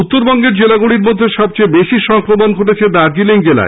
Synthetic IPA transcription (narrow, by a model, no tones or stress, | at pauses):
ut̪ːoɾbɔŋɡeɾd͡ʑelaɡuɽiɾmod̪ʱːeʃɔb̚t͡ɕejbeʃiʃɔŋkɾomonɡʱoʈet͡ɕʰed̪aɾd͡ʑileŋd͡ʑela̰e